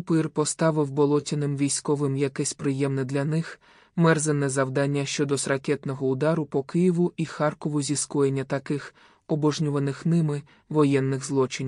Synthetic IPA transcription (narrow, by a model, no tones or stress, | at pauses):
kʊpɪrpɔst̪ɑʋɪwbɔlˠɔtʲinɪmʋʲijsʲkɔʋɪmjɐkɛsʲpɾɪjɛmnɪd̪lʲɐnɪx | mɛrzenːɛzɐwd̪ɑnʲːɐʃt͡ʃɔd̪ɔsrɐkʲɛt̪nɔɦɔʊd̪ɑɾʊpɔkɪjiʋʊʔixɑrkɔʋʊzʲiskɔjenʲːɐt̪ɐkɪx | ɔbɔʒnʲuʋɐnɪxnɪmɪ | ʋɔjɛnːɪɣzlˠɔt͡ʃɪnʲ